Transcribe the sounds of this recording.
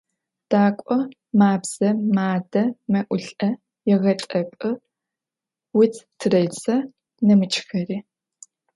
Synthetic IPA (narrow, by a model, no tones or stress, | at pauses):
d̥aːkʷʼɔ | maːbz̥ɐmaːdɐmɐʔʷʊɬʼɐ | jɛʁɐtʼɐpʼɨ | wʊtʰtʰɨrɐjt͡sʼɐ | nɐmɨt͡ʃʰʼxɐriː